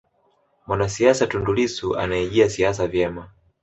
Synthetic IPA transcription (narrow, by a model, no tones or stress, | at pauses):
mwanasiasatundulisuʔa̰naiʄiasias̬avjɛma